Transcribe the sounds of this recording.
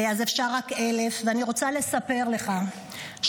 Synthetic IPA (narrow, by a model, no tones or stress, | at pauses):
azefʃaʁːake̞le̞fveaniʁo̞t͡sale̞sape̞ʁle̞χa | ʃ